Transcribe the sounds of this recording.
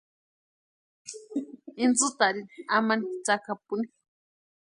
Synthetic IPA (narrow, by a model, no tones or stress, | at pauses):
ind͡zut̪aɾinamanit͡sakapuni